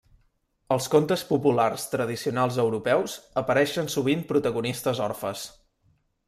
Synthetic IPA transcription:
əlˠskont̪əspupularst̪ɾəð̞isiunalˠzəwɾupɛwzəpəɾɛʃənsuβ̞impɾut̪əɣunist̪əzɔrfəs

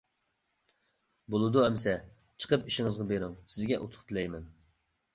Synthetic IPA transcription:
bolˠɨd̪uɛmsɛ | t͡ʃʰə̥qʰəpiʃɪŋɨzʁɑbeɾuŋsɪzɡʲɛʔut̪ʰʊ̥χt̪ʰɨlɛjmɛn

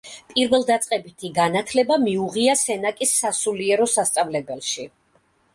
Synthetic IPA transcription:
pʼiɾvɛlˠd̪at̪sʼqʼɛbit̪ʰiɡanat̪ʰlɛbamiuʁiasɛnakʼisːasuliɛɾɔsast̪sʼavlɛbɛlˠʃi

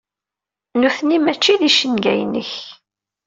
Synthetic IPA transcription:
nuθnimæt͡ʃːiðiʃənɡæ̰jnə̰ç

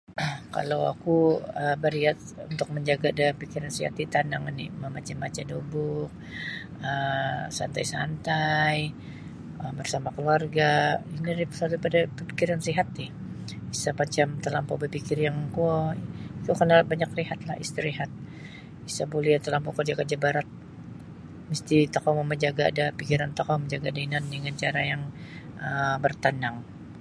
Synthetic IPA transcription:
ka̰lawa̰kuəbəɾiat̪ṵnt̪ʊk̚məɲd͡ʒaɡadapikiɾansiha̰t̪it̪anaŋinḭməmat͡ʃamːat͡ʃadobʊk̚ | əsa̰nt̪ajsa̰nt̪aj | əmbərsamakəluarɡainiɾipəsat̪upadabəpikiɾansiɦat̪ɪh | isapat͡ʃamt̪əlampɔbəpikɪrjaŋkuɔit̪ukənabaɲakriɦat̪̚lahḭst̪əɾiɦat̪̚ | isabolɛhat̪əlampɔkərd͡ʒakərd͡ʒabaɾat̪̚ | məst̪it̪okɔmoməɲd͡ʒaɡa̰ːdapikiɾant̪okɔməɲd͡ʒaɡadainandəŋant͡ʃaɾajaŋ | əbərt̪anaŋ

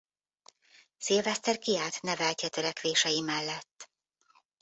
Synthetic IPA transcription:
siːlvɛst̪ɛrkiaːt̪nɛvɛlcɛt̪ø̞ɾɛkʋeːʃɛjimɛlːɛt̪ː

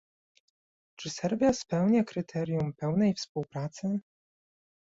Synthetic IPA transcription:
t͡ʂɘsɛɾvʲjaspɛwɲakɾɘt̪ʰɛɾʲjumpɛwnɛjfspuwpɾat̪sɘ

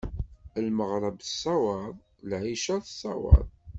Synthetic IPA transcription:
əlməʁɾˤəbə̥sˤːɑwɑðˤ | lʕiʃæθəsˤːɑ̰wɑ̰ðˤ

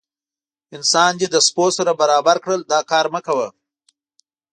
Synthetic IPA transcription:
ɪnsɑnjed̪əsposaɾabaɾɑbaɾkɽəld̪ɑkɑːɾməkawə

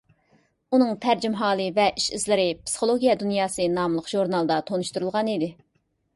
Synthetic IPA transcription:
unɨŋt̪ʰæɾd͡ʒimɦɑːlˠɨvɛʔiʃizlɪɾɪpsɨ̥χolˠoɡʲijɑd̪unjɑːsɨnɑmlˠəqʒ̥uɾnɑlˠd̪ɑt̪ʰonuʃt̪uɾulˠʁɑnid̪ɪ

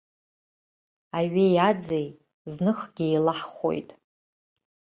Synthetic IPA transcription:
aɥejad͡zej | znɨχɡʲɪejlaħχʷo̰jtʼ

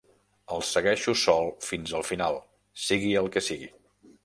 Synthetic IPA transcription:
əlˠsəɣɛʃusɔlˠfinzəlˠfinalˠ | siɣiəlˠkəsiɣi

